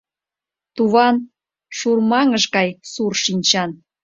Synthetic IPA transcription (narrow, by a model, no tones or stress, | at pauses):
t̪uβɑn | ʃurmɑŋəʃkɑjsurʃinʲt͡ɕɑn